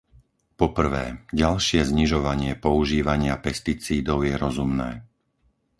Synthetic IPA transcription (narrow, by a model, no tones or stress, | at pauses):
pɔpr̩ʋɛ̰ːɟalʃɪɛzɲiʒɔʋaɲɪɛpɔuʒiːʋaɲɪapɛst̪it͡siːd̪ɔʊjɛɾɔzumnɛː